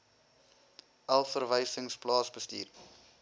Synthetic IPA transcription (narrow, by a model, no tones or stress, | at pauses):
ʔɐlˠfərvəjsəŋsplɑːsbəstiːr